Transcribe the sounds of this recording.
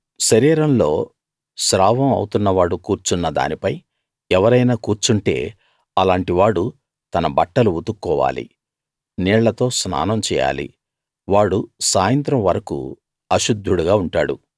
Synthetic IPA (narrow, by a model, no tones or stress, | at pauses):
ʃɐɾiːɾɐnlo̞ː | ʃɾaːʋɐmɐ̰wut̪unːɐʋaːɽukuːɾt͡ʃunːɐd̪a̰ːnipɐj | ɛʋɐɾɐjnaːkuːɾt͡ʃuɳʈe̞̰ː | ɐlaːɳʈiʋaːɽu | t̪ɐnɐbɐʈːɐluut̪ukːɔːʋa̰ːlḭ | niːɭːɐt̪o̞ːsna̰ːnɐmt͡ʃɛ̰ːja̰ːlḭ | ʋaːɽusaːjɐnt̪ɾɐmʋɐɾɐkṵ | ɐʃud̪ʱːuɽuɡaːuɳʈa̰ːɽṵ